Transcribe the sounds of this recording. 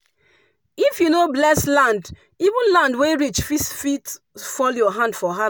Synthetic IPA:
ifjunoblɛslãnd | ivũnlãndweɹit͡ʃfisfit | fɔljɔɦãnd̥fɔɦa

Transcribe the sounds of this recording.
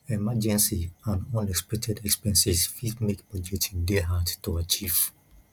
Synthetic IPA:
ɛmad͡ʒɛ̃nsiãndɔ̃nɛkspɛk̚tʰɛdɛkspiɛɛ̃nsisfidmekbɔd͡ʒɛtsĩndɛɦattuat͡ʃiv̥

